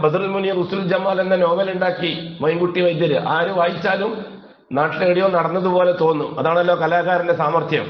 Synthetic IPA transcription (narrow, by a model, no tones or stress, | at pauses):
bɐd̪rilmunijɐrusuld͡ʑɐmːaːlenːɐno̞ːbɐluɳɖaːkːimɐjŋɡuʈːiʋɐjt̪ːɐɾuʔaːɾuʋɐjt͡ɕːaːlum | naːʈːileːɽijoːnɐɽɐnːɐðupo̞ːle̞t̪o̞ːnːuɐðaːɳelːo̞ːkɐlaːɣaːɾɐnde̞saːmɐrt̪ʰjɐ̰m